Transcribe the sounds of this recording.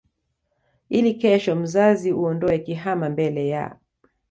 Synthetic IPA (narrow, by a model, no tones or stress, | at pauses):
ilikɛʃɔm̩zaziuɔndɔɛkiɦamambɛlɛja̰